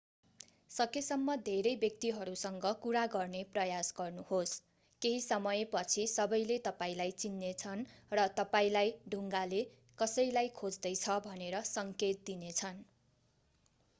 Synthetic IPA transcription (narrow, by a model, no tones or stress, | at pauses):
sʌkesʌmːʌd̪ʱeɾʌjbjʌk̚t̪iɦʌɾusʌŋɡʌkuɾaɡʌrneprʌjasɡʌrnuhos | keɦisʌmʌjepʌt͡sʰisʌbʌjlet̪ʌpaĩlajt͡sinːet͡sʰʌnrʌt̪ʌpaĩlajɖʱuŋɡale | kʌsʌjlajkʰod͡zd̪ʌjt͡sʰʌbʱʌneɾʌsʌŋket̪̚d̪inet͡sʰʌn